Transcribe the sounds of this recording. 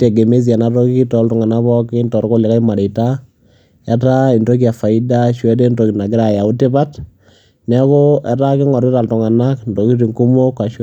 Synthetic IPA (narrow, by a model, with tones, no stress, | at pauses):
te˨ɡe˨me˦s̬ia˨na˨to˦ki˦ki˦tɔ˨ltɔ˨ŋa˨na˦bɔ˦kɪ˦ntɔ˨ɾko˦la˨ka˦ima˨de˨ta˦ | a˦ta˦i˨ndo˦k̬i˦a˨fa˨ɪ˦da˦ʃwɛ˦de˦ndo˨ki˨na˨ɡɪ˦ɾa˨ja˨u˦te˦ba˦t | nɛ˦ko˦ɛ˦ta˦kɪ˦ŋɔ˨ɾi˦ta˨ltʊ˨ŋa˨na˦kndo˨ki˦ɾi˨ŋku˦mo˦kːa˨ʃ